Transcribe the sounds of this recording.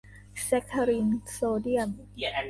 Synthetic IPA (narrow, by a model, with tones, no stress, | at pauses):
sɛ˦˥kʰːa˧ɾi˧nsoː˧di˥əm